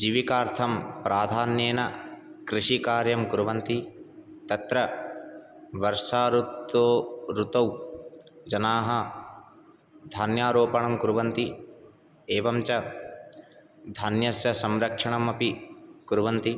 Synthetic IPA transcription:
d͡ʒiʋikaːɾt̪ʰɐmpɾʔaːd̪ʱaːnjeːnɐkɾiʂikaːɾjɐmkuɾuʋɐnt̪i | t̪ɐt̪ɾɐ | ʋɐɾʂaːɾut̪oːɾut̪ɐw | d͡ʒɐnaːɦɐ | d̪ʱanjaːɾoːpɐɳɐmkuɾuʋɐnt̪i | eːʋɐmt͡ʃɐ | d̪ʱɐnjɐsjɐsɐmɾɐkʂɐɳɐmɐpikuɾuʋɐnt̪i

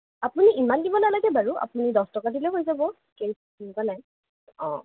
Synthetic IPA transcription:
apuniʔimandibɔnalaɡɛbaɹua̰punidɔstɔkadiloɦojzabɔ | keskinkanaj | ɔ̰̃

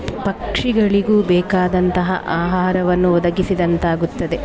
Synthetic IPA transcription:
pɐkʂiɡɐɭiɡuːbɛːkaːd̪ɐnt̪ɐɦɐ̰ʔaːɦaːɾɐʋɐnːuɔd̪ɐɡisid̪ɐnt̪aːɡut̪ːɐd̪e

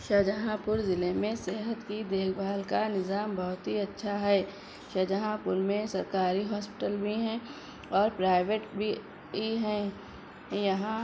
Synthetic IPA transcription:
ʃɐd͡ʒəɦãpʊɾzɪlemẽseːɦət̪kid̪eːkʰbaːlkanɪzaːmbɔɦʊt̪ɦiɐtːʃʰaɦɛː | ʃɐd͡ʒəɦãpʊɾmẽsɐɾkaːɾiɦɔːspɪ̥ʈəlbʱiɦɛ̃ | ɔːɾpɾaːɪʋeʈbʱi | iɦɛ̃ː | jɐɦã

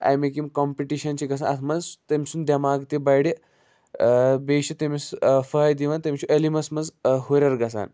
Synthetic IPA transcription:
a̰jmekĩŋkɔmpiʈiʃɐnt͡ɕiɡɐs̬anɐt̪ʰmɐzt̪emsund̪ʲjɐmaːɡt̪ibajɽi | beʃit̪emisfəjd̪iʋant̪emʲt͡ʃʰuʔəlimɐsmɐd͡zɦoɾʲɐɾɡɐs̬a̰ːn

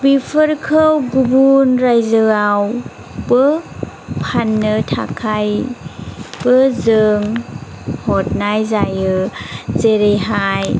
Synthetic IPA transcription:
bipʰəɾkʰəwɡubunɾajzɯaw | bə | pʰanːɯtʰa̰kʰaj | bəzɯŋ | hɔt̚najzajɯzeɾejɦaj

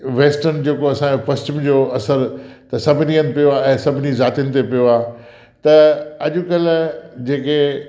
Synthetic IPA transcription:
ʋeːsʈənd͡ʑeːkoɐsãd͡ʑopɐst͡ɕʊmd͡ʑoːɐsəɾt̪ɐsɐbʱɪniənɪ̆pijoaːɛ̃ːsɐbʱɪnizaːt̪ijənɪ̆t̪epijoaː | t̪ɐɐʄʊ̆kɐld͡ʑeːke

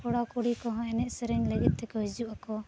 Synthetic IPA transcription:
kɔɽakuɽikɔɦɔ̃ɛnɛʔsɛɾɛŋləɡit̪̚t̪ːɛkɔɦid͡ʒuʔakɔ

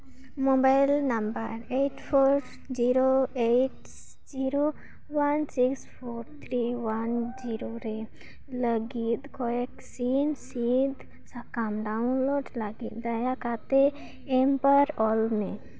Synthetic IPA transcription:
mɔbajlnambəɾeʈpʰoɾ | d͡ʒiɾoeʈ | d͡ʒiɾo | wansikspʰoɾt̪ʰɾiwand͡ʒiɾoɾe | ləɡit̪̚kɔjɛksinsid̪ | sakamɖaunloʈləɡit̪̚d̪ajakat̪e | ɛmpaɾɔlme

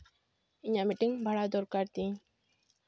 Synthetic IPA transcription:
iɲamiʈiŋbʱaɭad̪oɾkaɾt̪ĩ

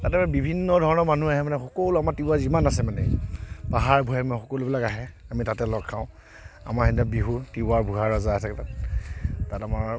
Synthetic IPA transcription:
tatɛmanɛbibʱinːɔdʱɔɹɔnɔmanuaɦɛmanɛxɔkowluamaɹtiwazimanasɛmanɛpaɦaɹbʱuɦɛmixɔkolubilakaɦɛamitatɛlɔɡʰãʊ̃ | a̰maɹxindabiɦutibaɹbʱuɦaɹɔzatʰaktat | tatamaɹ

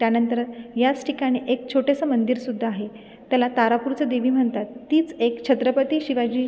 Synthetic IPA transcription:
t̪janənt̪əɾət̪jat͡sʈʰikaɽ̃iʔek̚t͡ɕʰoʈesəmənd̪iɾsud̪ʱːaːɦe | t̪jalat̪aɾapuɾt͡səd̪eʋiːm̤əɳt̪at̪ːiːt͡sekt͡ɕʰət̪ɾəpət̪iːɕiʋad͡ʑiː

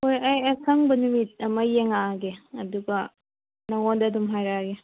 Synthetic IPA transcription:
hojɐjɐsʰɐŋbɐnumit̚ɐmɐjeŋaɡeɐduɡɐ | nɐŋondɐdumɦajɾaɡe

